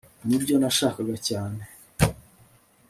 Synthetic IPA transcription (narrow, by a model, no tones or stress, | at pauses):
nibɟonaʃaːkaɡacaːne